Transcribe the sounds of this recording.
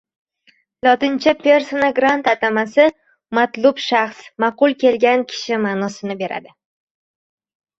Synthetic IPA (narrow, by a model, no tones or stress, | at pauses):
lˠɒt̪ɪnt͡ʃʰapʰe̞ɾsonaɡɾant̪at̪ʰamasɪ | mat̪lˠʊbʃaχsmaqʊlˠkʲe̞lɡʲankʲʰɪ̥ʃɪmaːnɒsɪnɪbe̞ɾa̰d̪ɪ